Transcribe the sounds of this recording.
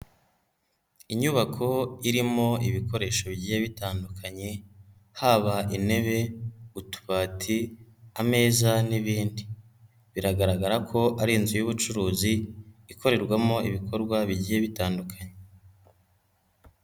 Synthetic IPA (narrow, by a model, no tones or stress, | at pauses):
iɲuβakʰo̞iɾimo̞iβikʰo̞ɾe̞ːʃo̞βiɟiheβitaːndukʰaɲe̞ | haːβaʔine̞βe̞utu̥βaːtʰiame̞ːzaniβiːndi | βiɾaɡaɾaɡaɾakʰo̞ʔaɾinzujuβut͡ʃuɾuːziikʰo̞ɾe̞ɾɡwamo̞iβikʰo̞ɾɡwaβiɟihe̞βitaːndukʰaɲe